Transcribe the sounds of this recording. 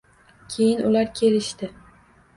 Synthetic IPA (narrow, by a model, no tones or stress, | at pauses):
kʲʰe̞jɪnʊlaɾkʲʰe̞lɪʃt̪ɪ